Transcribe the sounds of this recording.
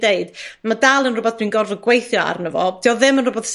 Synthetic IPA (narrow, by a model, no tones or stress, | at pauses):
deɨd̥madalˠənrʊbɔθd̥winɡɔrvəɡwejθjɔa̰rnəvɔ̰tʰiɔðɪmənrʊbɔθs